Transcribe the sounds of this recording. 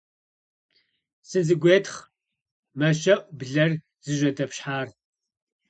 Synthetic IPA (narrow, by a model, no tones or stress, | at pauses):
sɨzɨɡʷeːtχ | mɐʃɐʔʷʼbɮɐr | z̥ɨʒʷɐtʰɐpɕħaːr